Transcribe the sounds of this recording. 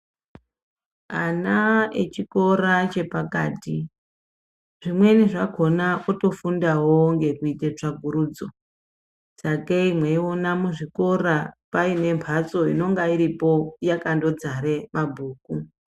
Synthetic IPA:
anaḛt͡ʃiko̞ɾat͡ʃe̞pakaːti | ʐ̥imwe̞niʐako̞naʔoto̞fundaɦoŋɡe̞kuitet͡ʂaɡʱuɾuːd͡zo | sakeimwe̞ionamuʐiko̞ɾapaine̞mpʰat͡so̞ino̞ŋɡaiɾipo̞jakando̞d͡zaɾemabʱuːk̚u

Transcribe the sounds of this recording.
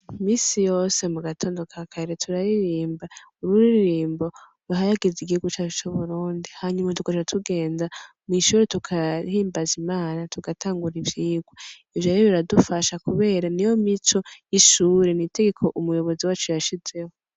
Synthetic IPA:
miːsijo̞ːse̞muɡatʰo̞ːndo̞kʰakʰaiɾetʰuɾaɾiɾiːmba | uɾuɾiɾiɾiːmbo̞ | ɾuɦajaɡeziɡihuɡut͡ʃat͡ʃot͡ʃuβuɾuːndihaɲumatukaʃatʰuɡe̞ːnda | miʃuːɾetukʰahiːmbazimaːnatʰuɡatʰaːŋɡuɾivjiːɡwo | ivjojoβiɾadufaʃakuβe̞ːɾanijo̞mit͡ʃo̞jiʃuːɾe̞nite̞ɡe̞kʰo̞ʔumujo̞βo̞ziwaːt͡ʃojaʃize̞ho

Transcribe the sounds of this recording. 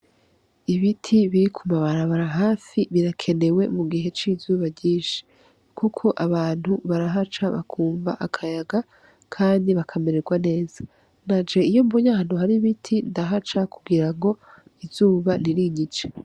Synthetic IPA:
iβitʰiβiɾikʰumaβaɾaβaɾaɦaːfiβiɾakʰe̞ne̞we̞muɡiɦe̞t͡ʃiːzuːβaɟiːʃi̥ | kʰukʰo̞ʔaβaːn̥huβaɾaɦat͡ʃaβa̰kʰuːmba̰ʔakʰajaɡa | kʰaːndiβakʰameɾeɡwane̞ːza | nad͡ʒe̞ijo̞mboɲahan̥uɦaɾiβitʰindaɦat͡ʃakuɡiɾaŋɡo̞ | iz̥uːβaniɾiɲit͡ʃe̥

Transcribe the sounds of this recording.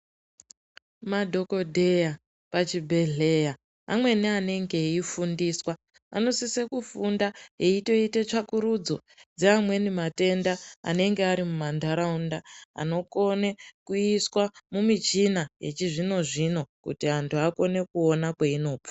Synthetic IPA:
madʱo̞ko̞dʱe̞ja | pat͡ʃibʱe̞ɮe̞ja | a̰mwe̞niane̞ŋɡe̞ifundiːswa | a̰no̞sise̞kufundaeito̞itet͡ʂakuɾud͡zo | d͡zeamwe̞nimate̞ndaa̰ne̞ŋɡeaɾimumandaɾaundaa̰no̞ko̞ne̞kuiswamumit͡ʃinaje̞̰t͡ʃiʐino̞ʐino̞kṵtiantʰuako̞ne̞kuo̞nakweino̞ːpo̥

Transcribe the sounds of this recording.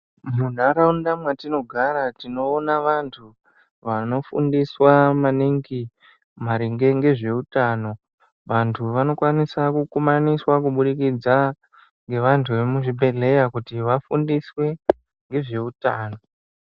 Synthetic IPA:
mun̤aɾaundamwatino̞ɡʱaɾatino̞ːnaʋantʰu | ʋano̞fṵndiswamaniŋɡi | maɾiŋɡe̞ŋɡe̞ʐe̞utaːno̞ | ʋantʰuʋano̞kwanisakukumaniswakuɓuɗikid͡za | ŋɡe̞ʋantʰuʋe̞muʐibʱe̞ɮe̞jakutiʋafundiswe̞ | ŋɡe̞ʐe̞utaːno̞

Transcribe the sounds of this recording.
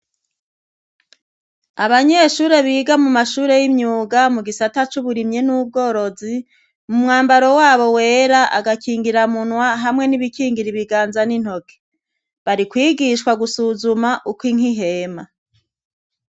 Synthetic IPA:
aβaɲeʃuːɾe̞βiːɡamumaʃuːɾe̞jimɲuːɡamuɡisatat͡ʃuβuɾimɲenuːb̚ɡo̞ːɾo̞zi | mumŋaːmbaɾo̞waːβo̞we̞ːɾaʔaɡakiːŋɡiɾamunwaɦamŋe̞niβikiːŋɡiɾiβiɡaːnzanin̥ho̞ke̥ | βaɾikwiːɡiʃkwaɡusuzumaʔukwiŋ̥iɦe̞ma

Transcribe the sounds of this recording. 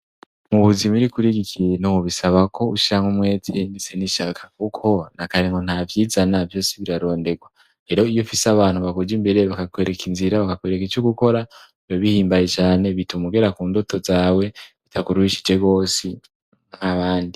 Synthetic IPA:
muβuzimiɾikuɾiɡikʰienooβisaβako̞uʃiɾaŋumwe̞ːzendiseniʃakʰḁkukʰo̞nakaɾiŋɡo̞n̥havjiːzanavjo̞ːsiβiɾaɾo̞ːnde̞ɡwa | ɾe̞ɾo̞ijofisaβaːn̥huβakud͡ʒimbe̞ɾe̞βakakwe̞ɾekinziɾaβakakwe̞ɾekit͡ʃoɡuko̞ɾa | joβihiːmbaje̞t͡ʃaːne̞βitumuɡe̞ɾakuːndoto̞zaːwe̞βitʰakuɾuhiʃi̥d͡ʒe̞ɡo̞ːsi | ŋ̥aβaːndi

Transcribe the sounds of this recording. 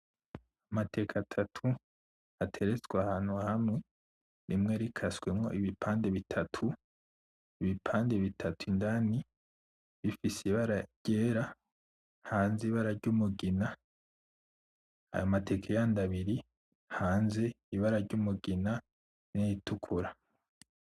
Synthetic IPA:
amate̞ːkʰatʰatʰu | atʰe̞ɾet͡swahaːn̥huahamŋe̞ | ɾimŋe̞ɾikʰaswe̞mŋo̞̰ʔiβipʰaːnde̞βitʰatʰu | iβipʰaːnde̞βitʰatʰuindani | βifisiβaɾaɾɟ̥eːɾa | haːnziβaɾaɾɟumuɡina | a̰jomate̞kʰejandaβiɾi | haːnze̞ | iβaɾaɾɟumuɡina | nijitukʰuɾa

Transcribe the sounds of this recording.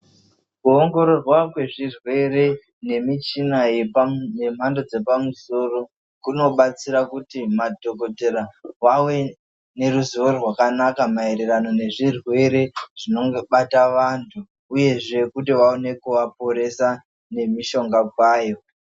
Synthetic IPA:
kuoŋɡo̞ɾo̞rwakwe̞ʐirwe̞re̞ | ne̞mit͡ʃinajepne̞m̤ando̞d͡ze̞pamuso̞ro̞ | kuno̞ɓat͡siɾakutimadʱoko̞teɾawawe̞ | ne̞ɾuziʋorwakanakamaiɾerano̞ne̞ʐirwe̞ɾe̞ʐ̥ino̞ŋɡoɓataʋantʰuː | je̞ʐe̞kutiwaone̞kuʋapo̞ɾe̞sa | ne̞miʃo̞ŋɡakwaːjo̞

